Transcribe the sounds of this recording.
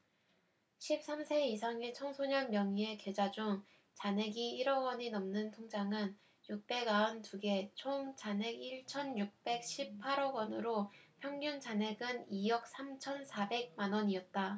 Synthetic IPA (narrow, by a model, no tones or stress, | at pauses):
ɕʰip̚s͈amsʰe̞isʰaŋit͡ɕʰʌŋsʰoɲʌnmjʌŋie̞ked͡ʑad͡ʑuŋ | t͡ɕane̞ɡiiɾʌwʌɲinʌmnɯntʰoŋd͡ʑaŋɯn | juk̚p͈e̞ɡaʌntuɡe̞t͡ɕʰoŋt͡ɕane̞ɡiɭt͡ɕʰʌnjuk̚p͈e̞k̚ɕ͈ʰip̚pʰaɾʌɡwʌnɯɾopʰjʌŋɲuŋt͡ɕane̞ɡɯnijʌk̚s͈ʰamt͡ɕʰʌnsʰabe̞ɡ̚manwʌɲiʌt̚t͈a